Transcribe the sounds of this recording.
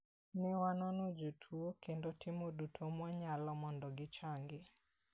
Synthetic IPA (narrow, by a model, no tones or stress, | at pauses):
nɪwanɔnod͡ʒotʰuokendotʰɪmodutʰomwaɲalɔmɔndɔɡɪt͡ʃaŋɡɪ